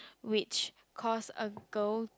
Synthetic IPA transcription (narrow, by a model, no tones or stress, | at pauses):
wɪt͡ʃ | kʰɔsə̰ɡ̥əl